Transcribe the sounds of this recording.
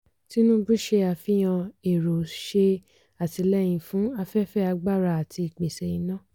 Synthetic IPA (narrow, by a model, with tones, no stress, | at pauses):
ti˦nũ˦bɾi˦ʃe˧a˧fi˦j̃ã˧e˨ɾo˨ʃe˧ | a˨ti˧lɛ˦˨j̃ĩ˧fũ˨˦a˧fɛ˦fɛ˦˨a˧ɡ͡ba˦˨ɾa˧a˨ti˧i˨k͡pe˨sɛ˨ĩ˨˦nã˦˨